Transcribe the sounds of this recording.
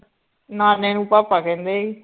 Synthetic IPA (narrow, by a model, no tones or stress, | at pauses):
naːnẽːnũːpaːpaːkɛ̃ːnd̪eːiː